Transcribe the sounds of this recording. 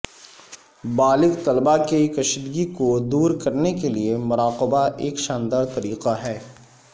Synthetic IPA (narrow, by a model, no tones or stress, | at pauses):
baːlɪɡt̪ɐlbakekɐʃɪd̪ɡikod̪uːɾkɐɾnekeliemʊɾaːqəbaʔeːkʃãːnd̪aːɾt̪ɐɾiːqaɦɛː